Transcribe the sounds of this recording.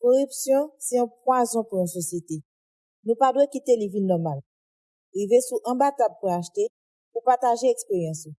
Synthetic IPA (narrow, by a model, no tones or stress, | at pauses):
koʁypsjɔ̃sɛɔ̃p̚wazɔ̃pujɔ̃sosjete | nũpadwekit̪elivinːɔmal | ʁivesuʔãbatab̚puaʃte | pupaʁtaʒeɛkspeʁjɑ̃so